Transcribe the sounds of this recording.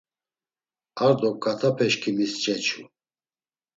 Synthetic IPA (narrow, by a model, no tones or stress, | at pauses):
aɾd̪ɔkkʼat̪ʰapʰɛʃkʰimist͡ʃʼɛt͡ʃʰu